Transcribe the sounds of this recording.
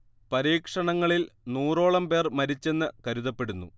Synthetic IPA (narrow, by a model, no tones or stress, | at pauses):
pɐɾiːkʂɐɳɐŋːɐɭilnuːro̞ːɭɐmpe̞ːrmɐɾit͡ɕːe̞nːɨkɐɾuðɐpːe̞ɽunːṵ